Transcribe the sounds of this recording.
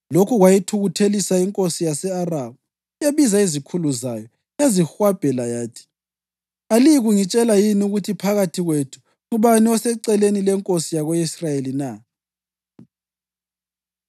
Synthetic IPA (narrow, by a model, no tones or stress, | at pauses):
lokʰuɣwajitʰuɣutʰelisaiŋkʼosijasɛaraβu | eβizaizikʰuluzajɔ | ezixwab̥ʱɛlajaːtʰi̥ | aliɣuŋit͡ʃʼɛlajinuɣutʰipʰaɣatʰiɣwetʰu̥ | ŋuβaniɔsɛǀɛlenilɛŋkʼosijaɣoisrajelina